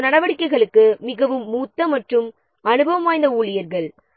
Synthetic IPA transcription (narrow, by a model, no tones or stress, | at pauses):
nɐɽɐʋɐɽɪkːɐɪɣɐɭɯkːɯmɪɣɐʋɯmːuːt̪ːɐmɐʈrɯm | ɐnɯbɐʋɐmaːjnd̪ɐuːɭɪjɐɾɣɐɭ